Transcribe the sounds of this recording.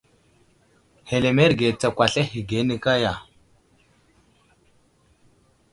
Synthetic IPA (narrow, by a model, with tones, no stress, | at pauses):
he˨le˨me˦ɾɡe˨t͡sa˨kʷa˨ɬe˦hi˨ɡe˨˦ni˦ka˦ja˨